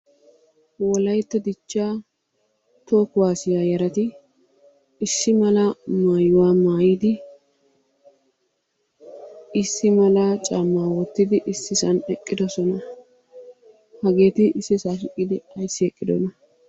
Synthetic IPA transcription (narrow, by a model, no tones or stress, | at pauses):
wɔlɐjt̪ːɛd̪ɪt͡ʃːaː | t̪o̞ːkʊwaːsɪjaːjɛɾɐt̪ɪ | sːɪmɐlɐmaːjʊwaːmaːjid̪ɪ | ɪsːɪmɐlaːt͡ʃʼaːmːaːwɔt̪ːɪd̪ɪʔɪsːɪsɐnɛkʼːɪd̪ɔsɔnɐ | hɐɡe̞ːt̪ɪɪsːɪsaːʃɪkʼːɪd̪ɪɐjsːɪɛkʼːɪd̪ɔ̰nɐ